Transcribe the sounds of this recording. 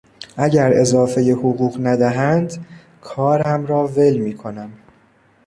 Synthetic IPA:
ʔæɟæɾe̞zɒːfe̞je̞hoɣuːɣnæd̪æɦænd̪ | kʰɒːɾhæmɾɒːve̞lmiːkʰo̞næm

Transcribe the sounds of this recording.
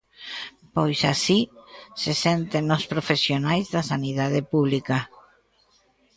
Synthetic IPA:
pojsasisesɛnt̪enːospɾofesjonajzðasanið̞að̞epuβlika

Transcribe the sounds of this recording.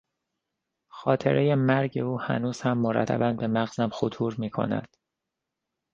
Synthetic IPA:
xɒːt̪ʰe̞̰ɾʔe̞je̞mæɾɟe̞uːhæ̰nuːz̥hæmːoɾæ̰t̪ʰːæ̰bænbe̞mæɣzæmxot̪ʰuːɾmiːkʰo̰næ̰d̪̥

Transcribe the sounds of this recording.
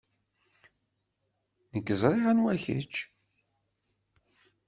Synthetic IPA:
nəkːəzˤɾˤiʁanwæçə̰t͡ʃː

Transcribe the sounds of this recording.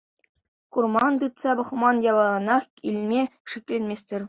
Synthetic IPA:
kurmɑnt̪ɯt̪sɑbɤ̆χmɑnjɑβɑlˠɑnɑχ | ilʲmʲeʂiklʲenʲmʲesʲtʲɘ̆rʲ

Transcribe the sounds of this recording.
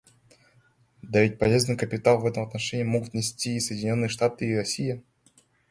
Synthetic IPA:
d̪avʲit̚ʲpɐlʲe̞znɨjkəpʲɪt̪alˠvɛt̪əmɐt̪nɐʂɛnʲɪːmo̞ɡʊt̪nʲɪsʲtʲiːsəjdʲɪnʲo̞nːɨjəʂt̪at̪ɨːɾɐsʲijə

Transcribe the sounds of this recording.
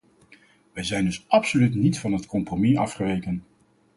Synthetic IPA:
ʋɛjzɛjndɵsɑpsolytnitfɑnɦətkɔmpromiɑfχəʋejkən

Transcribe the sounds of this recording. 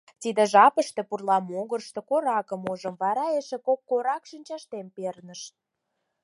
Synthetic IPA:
t̪id̪ĕʒɑpəʃt̪ĕpurlɑmoɣərʃt̪ĕkoɾɑkə̆moʒə̆mvɑɾɑeʃĕkop̚koɾɑkʃinʲt͡ɕɑʃt̪empernə̆ʃ

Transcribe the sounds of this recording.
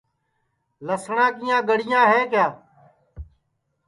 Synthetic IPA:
ləsɳãːkijãːɡəɽɪjãːɦeːkjaː

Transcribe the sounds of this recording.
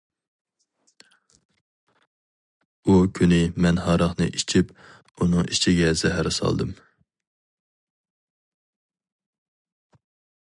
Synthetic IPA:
ukʲʰynɪmɛnɦɑɾɑχnɨ̰ʔit͡ʃʰip | unɨŋʔit͡ʃʰiɡʲɛzɛɦæɾɨsɑ̰lˠd̪ɨm

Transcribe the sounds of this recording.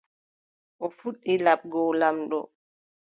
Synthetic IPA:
ʔɔfuɗːilaɓ̚ɡɔlamɗɔ̰

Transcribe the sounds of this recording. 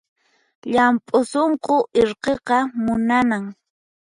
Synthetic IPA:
ʎampʼʊsoɴqoʔɪɾqeqɑmʊnanaŋ

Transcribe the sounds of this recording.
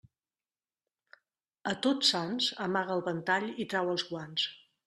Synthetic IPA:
ət̪otsanzə̰maɣəːlˠβənt̪aʎit̪ɾawəlˠzɣwans

